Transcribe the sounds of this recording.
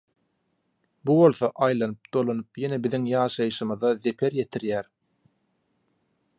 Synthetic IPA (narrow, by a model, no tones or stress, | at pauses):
buβo̞lˠθoʔɑjlˠɑnɯp̚d̪̥o̞lˠonɯpjenebiðiŋjɑːʃɑjɯʃɯmɯðɑðe̞pʰe̞ɾje̞t̪ʰiɾjæːɾ